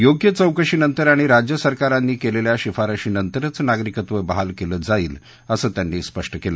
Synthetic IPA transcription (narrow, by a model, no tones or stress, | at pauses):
joɡjət͡səwkəɕiːnənt̪əɾaɽ̃iɾad͡ʑjəsəɾkaɾanːiːkeleljaɕifaɾəɕiːnənt̪əɾət͡snaɡɾikət̪ʋəbəɦalkeləːd͡zaiːl | əsəːt̪janːiːspəʂʈəkelə